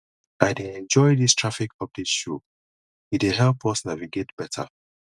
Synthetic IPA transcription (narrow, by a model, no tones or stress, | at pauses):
aɪdeɛ̃nd͡ʒɔɪdistʰɹ̥afikɔvdisʃu | it̚wɪɦɛlpʌsnawiɡɛtb̥ɛtʰə̰